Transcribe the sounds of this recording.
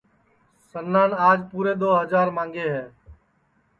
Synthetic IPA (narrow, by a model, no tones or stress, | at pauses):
sənːaːnaːd͡ʒpuːɾeːd̪oːɦəd͡ʒaːɾmãːŋɡeːɦɛː